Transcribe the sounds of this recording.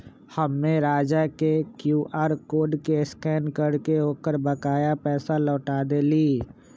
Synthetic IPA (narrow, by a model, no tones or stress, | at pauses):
həmːẽɾaːd͡ʒakekjuːʔaːɾkoːɖkeɪskɛːnkəɽkeoːkəɾbəkaːjapɛːsalɔːʈaːd̪eliː